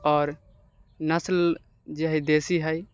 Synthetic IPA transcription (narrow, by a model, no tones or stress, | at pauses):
ɔːɾ | nəsl | d͡ʒeɦid̪esiɦəj